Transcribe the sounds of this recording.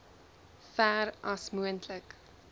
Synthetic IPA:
fæːɾɐsmuəntʰlək

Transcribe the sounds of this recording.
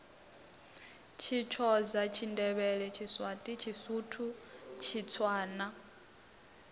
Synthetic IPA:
t͡ʃʰit͡ʃʰɔzat͡ʃʰindɛβɛɺɛt͡ʃʰiswatʼit͡ʃʰisutʰut͡ʃʰit͡sʰwaːna

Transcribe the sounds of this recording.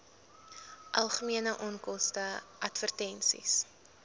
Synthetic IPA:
ʔɐlˠχəmiənəʔɔnkɔstəʔɐtfərtɛnsḭs

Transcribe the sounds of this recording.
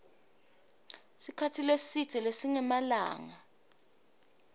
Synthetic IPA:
sikʰatʰilesitɛlesiŋɛmala̰ːŋa

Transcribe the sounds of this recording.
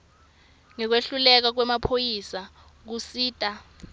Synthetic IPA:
ŋɛk̬weɬulɛk̬ak̬wɛmapʰojisa | k̬usiːtʼa

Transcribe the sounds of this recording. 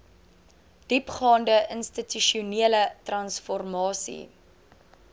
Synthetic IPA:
d̥ipχɑːndəʔənstityʃiuniələtrɐnsfɔrmɑːsḭ

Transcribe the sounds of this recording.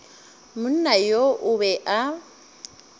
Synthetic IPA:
mʊn̩najoʔʊβɛʔa

